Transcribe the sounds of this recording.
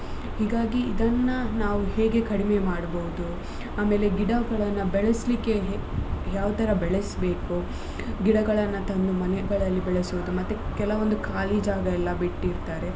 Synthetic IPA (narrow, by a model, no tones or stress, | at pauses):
hiːɡaːɡiːd̪ɐnːɐnaːʋuhe̞ːɡe̞kɐɽimemaːɽbɐɦud̪u | aːme̞ːle̞ɡiɽɐɡɐɭɐnːɐbɛɭeslikːe̞ɦjaːʋt̪ɐɾɐbɛɭesbe̞ːku | ɡiɽɐɡɐɭɐnːɐt̪ɐnd̪umɐneɡɐɭɐlːibɛɭesuʋud̪umɐt̪ːukɛlɐʋond̪ukaːlid͡ʒaːɡɐɛlːɐbiʈːiɾt̪aːɾe̞